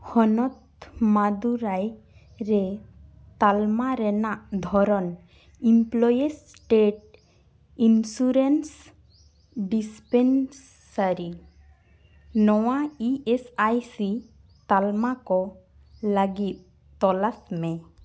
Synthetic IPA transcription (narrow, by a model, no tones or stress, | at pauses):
hɔnɔt̪ | mad̪uɾaj | ɾɛ | t̪almaɾɛnaʔd̪ʱɔɾɔn | implɔjes | ʈeʈ̚ | insuɾens | ɖispens | saɾi | nɔwaiesajsi | t̪almakɔ | laɡit̪̚ | t̪ɔlasmɛ̃